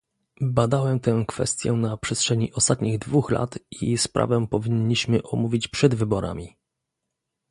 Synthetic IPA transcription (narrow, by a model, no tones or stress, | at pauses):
bad̪awɛmt̪ɛ̃kfɛ̰st̪ʲjɛnapʂɛstʂɛɲiʔɔst̪at̪̚ɲiɣd̪vuxla̰t̪ispɾʔa̰vɛpɔvʲiɲːiɕmɘʔɔmuvʲit͡ɕpʂɛd̪vɘbɔɾa̰mʲi